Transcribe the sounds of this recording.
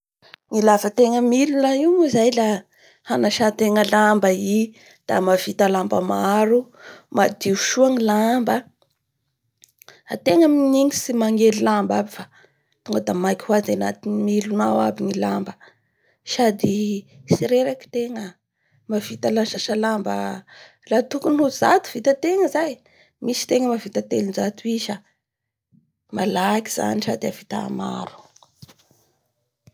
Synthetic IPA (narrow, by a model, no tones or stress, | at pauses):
ŋilavət̪eŋəmilunaiwnuzajla | hanaʃat̪eŋəlambai | d̪̥amavit̪alambəmaɾu | mad̪iuʃuaŋilambə | a̰t̪eŋaminiŋisimaŋelilambabifa | t̪uŋɡəd̪amajkʲihuazana̰t̪inimilunawa̰biŋilambə | ʃad̪isiɾeɾaki̥t̪eŋə | mavit̪alaʃaʃalambə̰ | lat̪ukunhuzat̪u̥vit̪ət̪eŋəzaj | misi̥t̪eŋəmavit̪at̪elinzat̪uiʃə | malaki̥z̥a̰niʃad̪avit̪a̰ma̰ɾu̥